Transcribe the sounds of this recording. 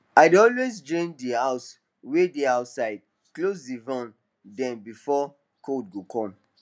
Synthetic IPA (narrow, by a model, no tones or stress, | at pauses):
aɪdɔlwezd͡ʒɔ̃ndihaʊs | wediaʊtsaɪd̚ | klosdivãn | dɛ̃nbifɔ | kʰodɡokʰɔ̃m